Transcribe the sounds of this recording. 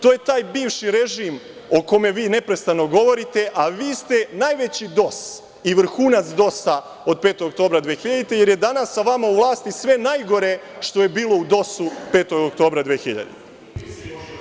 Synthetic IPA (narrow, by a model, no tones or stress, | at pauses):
t̪oːjet̪aːjbiːʋʃiɾe̞ʒiːm | o̞ko̞meʋiːne̞pɾest̪ano̞ɡo̞ʋo̞ɾit̪e̞ʔaʋiːst̪e̞najʋet͡ɕid̪o̞s | iʋr̩xuːnat̪sd̪o̞sa | o̞d̪̚peːt̪oɡok̪t̪o̞ːbɾad̪ʋeːxiʎad̪it̪eje̞ɾjed̪anasːaʋamauʋlˠaːst̪isʋe̞najɡo̞ɾe | ʃt̪o̞jebiːlo̞ud̪o̞supe̞ːt̪o̞ɡok̚t̪o̞ːbɾad̪ʋeːxiʎa̰d̪ḭt̪